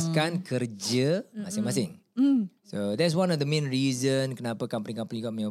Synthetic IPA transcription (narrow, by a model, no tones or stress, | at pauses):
skankərd͡ʒəmãsɪŋmasɪŋ | sod̪ɛts̬wãnɔfd̪əmẽnɹizənkənapəkampənikampəniɡɔʔ̚mẽ